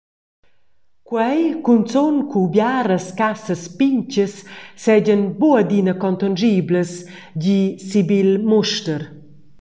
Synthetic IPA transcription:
kwɛjkunt͡sɔnkubjaɾəskasəspiɲt͡ʃəsːɛɟənbuəd̪inəkɔnt̪and͡ʒiːbləs | ɟisibilmuʃtəɾ

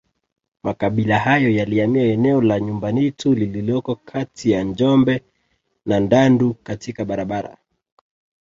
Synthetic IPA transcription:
makaɓilahajɔjaliamiaɛnɛɔlaɲumbanitulililɔkɔkʰatʰijand͡ʒɔmbɛ | nandandukatikaɓaɾaɓaɾa̰

